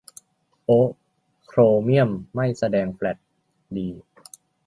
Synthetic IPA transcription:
ʔo˦˥ | kʰɾoː˧mi˥˩əmːa˥˩jsa˧dɛː˧ŋplɛ˨˩t̪̚ | diː˧

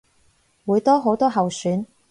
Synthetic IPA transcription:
wuː˨˧jt̪ɔː˥ɦo˨˥wt̪ɔː˥ɦɐ˨wsyː˨˥n

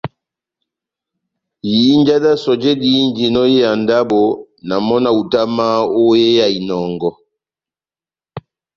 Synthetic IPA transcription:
jiː˨˦nd͡ʒa˦da˦sɔ˨d͡ʒɛ˦di˦nd͡ʒi˨nɔ˦je˦ja˨nda˦bo˨ | na˨mɔ˦na˦˨u˨ta˦ma˦o˦je˦ja˨i˨nɔ˨ŋɡɔ˦

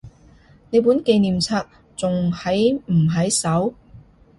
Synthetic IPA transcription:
ne˨˧jp̬u˨˥nke˧jniː˨mt͡sʰaː˧k̚ | t͡sʊ˨ŋhɐ˨˥jm̩˨˩ɦɐ˨˥jsɐ˨˥w

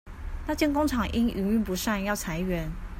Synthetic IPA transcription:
na˥˧t͡ɕjɛ˥˨nko˥ŋʈ͡ʂʰɑ˨˩ŋʔi˥ŋʔy˧˥ŋy˥˩pu˨˦ʂa˥˧njɑ˥˩ʊt͡sʰa˧˥˦ɪɥɛ˨˦n

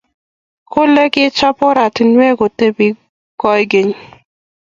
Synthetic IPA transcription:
kʰo˦le˦kɪ˦t͡ʃɔ˦pɔ˦ɾa˨ti˨nwe˦ɡo˨te˦bi˨ | kɔ˦jɡe˨ɲ˨

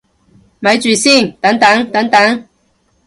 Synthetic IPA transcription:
mɐ˨˥jt͡syː˨˩si˥˩ŋt̪ɐ˨˥ŋt̪ɐ˨˥ŋt̪ɐ˨˥ŋt̪ɐ˨˥ŋ

